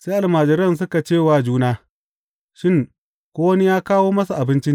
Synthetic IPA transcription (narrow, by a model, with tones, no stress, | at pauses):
seː˦ʔa˨lmaː˨d͡ʒɪ˨ɾɐ˦˨ns̬ʊ˦ka˨t͡ʃeː˦˨waː˨d͡ʒuː˦naː˦ | ʃɪ˦˨ŋ | kʷoː˦wɐ˦ni˦jaː˦kaː˦woː˦mɐ˦su˨ʔa˨bɪ˦nt͡ʃɪ˦n˨